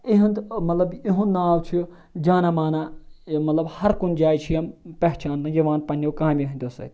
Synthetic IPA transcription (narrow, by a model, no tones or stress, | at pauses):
iɦɐ̃nd̪mɐt̪lɐbiɦũnnːaːwt͡ʃʰi | d͡ʒaːnamaːnamɐt̪lɐbhɐɾkund͡ʒaːjt͡ʃʰijɐmpɛɦt͡ʃaːnt̪ɨ̃jɐʋaːnpɐnʲːewkãːmbʲiɦɐ̃nʲt̪ɐsɐ̰t̪ʲ